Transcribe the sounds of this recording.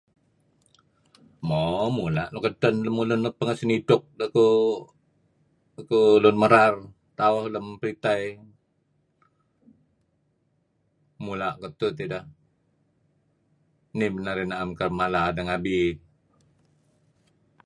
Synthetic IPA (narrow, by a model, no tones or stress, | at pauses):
mɔmulaʔnukədənləmulʊnːupəŋəsənidʊk̚ləku | kulʊnməɾar | t̪aɔhləmpəɾit̪aj | mulaʔkət̪ut̪idah | nimənaɾinaamkərmaladəŋabi